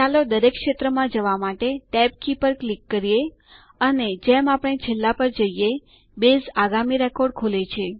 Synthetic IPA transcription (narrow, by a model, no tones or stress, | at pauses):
alod̪əɾekʃet̪ɾəmãd͡ʒəʋamaʈeʈɛb̚kipəɾklikːəɾije | əned͡ʒemapəɽ̃et͡ʃʰelːapəɾd͡ʒəije | bezaɡamiɾɛkoɾɖ̚kʰolet͡ʃʰe